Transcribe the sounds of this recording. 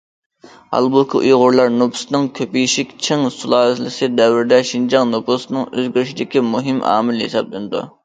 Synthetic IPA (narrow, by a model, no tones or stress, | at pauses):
hɑ̰lˠbukʲʰiʔujʁʊɾlˠɑɾnopʰʊ̥snɨŋkʲʰøpijʃikʲt͡ʃʰɪŋsulˠɑːlɨt̪lɪsɪd̪ɛwɪɾd̪ɛʃind͡ʒɑŋnopʰʊsnɨŋøzɡʲyɾʃid̪ɪkʲimuɦɪmɑ̰ːmɪlɦḛsɑplɪnɪd̪ṵ